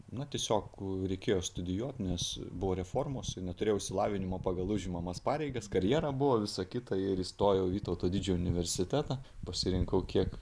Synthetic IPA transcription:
nɐt̪ʲiɛsʲoːkɾʲɛɪkʲeːjoːst̪ʊd̪ʲɪjuɔt̪ʲnʲɛsbʊʋoːɾʲɛfoːrmoːsɪnʲɛt̪ʊɾʲeːjoʊɪʃʲsʲɪlˠɑːʋʲɪnʲɪmoːpɑːɡɐlˠʊʒʲɪmɐmɐspɑːɾʲɛɪɡɐskɐɾʲjɛːɾɐbʊʋoːʋʲɪsɐkʲɪt̪ɐɪɾiːst̪oːjɛʊʋʲiːt̪oʊt̪oːd̪ʲɪd͡ʒʲɛʊnʲɪʋʲɛɾʲsʲɪt̪ʲæːt̪ɐpɐsʲɪɾʲɪŋkɐʊkʲiɛk

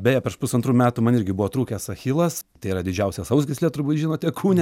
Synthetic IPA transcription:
bʲɛːjɛpʲɛʃpʊsɐnt̪ɾuːmʲæːt̪umɐnɪɾʲɡʲɪbuʋoːt̪ɾuːkʲesɐxʲilˠɐst̪ɐɪiːɾɐd̪ʲɪd͡ʒʲɛʊsʲɛsɐʊsɡʲɪsʲlʲiɛt̪ʊɾbuːt̪ʒʲiːnoːt̪ʲɛkʰuːnʲɛ

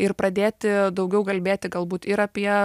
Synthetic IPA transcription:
ɪrpɾɐd̪ʲeːt̪ʲɪd̪ɐʊɡʲɛʊkɐlʲbʲeːt̪ʲɪɡɐlˠbuːt̪ɪɾɐpʲiɛ

